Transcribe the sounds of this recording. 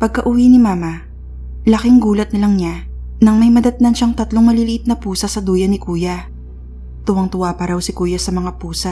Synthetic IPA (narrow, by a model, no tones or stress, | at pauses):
pɐɡ̚kɐʔʊwinɪmaːmɐ | lɐkɪŋɡuːlɐt̪̚nɐlɐŋɲa | nɐŋmɐjmɐd̪ɐt̪nɐnʃaŋt̪ɐt̪loŋmɐlɪlɪʔɪt̪̚nɐpuːsɐsɐd̪uːjɐnɪkuːjɐ | t̪ʊwɐŋt̪ʊwapɐɾɐwsɪkuːjɐsɐmɐŋapuːsɐ